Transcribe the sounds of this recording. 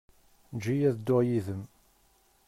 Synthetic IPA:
d͡ʒijæðd̪ːʊʁjiðəm

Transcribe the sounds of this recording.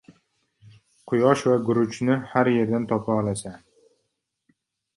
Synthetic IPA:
qʰʊjɒʃvaɡʊɾʊt͡ʃʰnɪhaɾje̞ɾd̪ant̪ʰɒpʰaɒlasa

